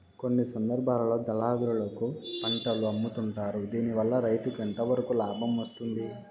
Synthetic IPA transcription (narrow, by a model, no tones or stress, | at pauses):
ko̞nːisɐnd̪ɐɾbʱaːlɐlo̞ːd̪ɐlaːd̪uɾulɐkupɐɳʈɐluɐmːut̪uɳʈaːɾud̪iːniʋɐlːɐɾɐjt̪ukent̪ɐʋɐɾɐkulaːbʱɐmʋɐst̪und̪i